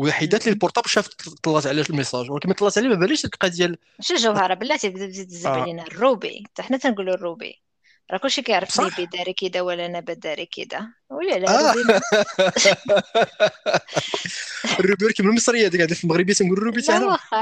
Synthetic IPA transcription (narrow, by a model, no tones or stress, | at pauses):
wlħid̪æt̪lilpʊɾt̪ˤɑbʃæft̪t̪ːˤɑlːɑt̪ʕlæʃəlməsˤɑʒwlækæmt̪ːˤlˤːɑt̪ʕlimæbæliʃd̪kqæd̪jæl | ʃæʒəwhɑɾˤɑbəlːæt̪ibd̪bt̪it̪zəblinærːubḭt̪aħnæt̪ænɡulurːubḭ | ɾˤɑkʊlʃikæjəʕɾˤəfnibid̪æɾikid̪æwəlːænæbæd̪æɾikḭd̪æ | wlilææin | ərːubiɾkæməlməsˤɾəjːad̪ikaʕd̪ifilməɣɾəbjæt̪ænɡulrːubit̪aʕnæx